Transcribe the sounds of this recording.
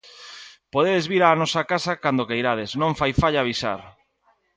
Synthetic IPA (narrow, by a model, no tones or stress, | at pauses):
poðeðezβiɾaːnɔsakasakand̪okejɾaðesnõɱfajfaʎaːβisa̰ɾ